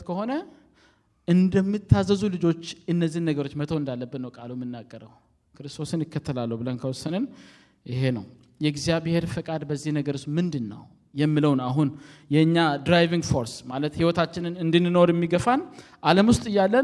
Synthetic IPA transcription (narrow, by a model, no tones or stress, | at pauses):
kʰəho̞nə | ʔɨnd̪əmːɨt̪ʰːazːəzulɨd͡ʒo̞t͡ʃːɨnːəzːihnːəɡəɾo̞t͡ʃːmət̪ʰoɨnd̪alːəbːɨnnəwkʼalumɨnːaɡʼːəɾəw | kʰɨɾɨst̪ʰo̞sɨnɪkʰːət̪ʰːəlalːəhbɨlənkʰəwɔsənɨn | ʔɪɦe̞nə̰w | jɛɡzijaβhe̞ɾfəkʼad̪bəzːihnəɡəɾɨsmɨnd̪ɨnːə̰w | jɛmːɨləwnaɦunjɛɨɲːad̪ɾajviŋɡfo̞ɾsmalət̪hiwɔt̪ʰat͡ʃːɪnɨnɨnd̪ɨnːɨnoɾjɛmːiɡəfanʔaləmwʊst̪ʼɨjːalːən